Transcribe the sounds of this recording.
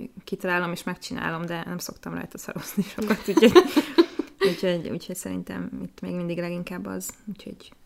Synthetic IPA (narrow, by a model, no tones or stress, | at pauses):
kit̪ɒlaːlo̞meːʃmɛkt͡ʃina̰ːlo̞md̪ɛnɛmso̞kt̪ɒmrɒ̰jt̪ɒsɒ̰ɾo̞z̥niʃokɒt̪uːchouːcho̞ɟṵːcho̞csɛɾḭnt̪ɛ̰mit̪ːmḛːɡmind̪iɡlɛɡiŋkaːbːɒ̰zuːcho̞̰ɟ